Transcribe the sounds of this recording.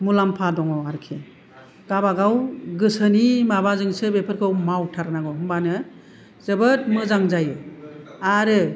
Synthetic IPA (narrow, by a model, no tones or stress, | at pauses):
mulampʰadɔŋɔaɾkʰe | ɡ̥abaɡawɡɯsɯnimabazɯŋsɯbepʰɯɾkʰɯwmawtʰaɾnaɡɔhɯmbanɯ | z̥ɯbɯtmɯzaŋzajɯ | aɾɯ